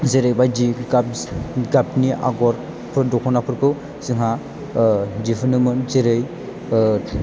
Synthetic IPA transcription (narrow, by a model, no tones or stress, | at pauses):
zeɾɯjbajdiɡaɡapniʔa̰ɡɔɾ | pʰɯɾdɔkʰɔnapʰɯɾkʰɯw | zɯŋɦa | dipʰɯnɯmɯnzeɾɯj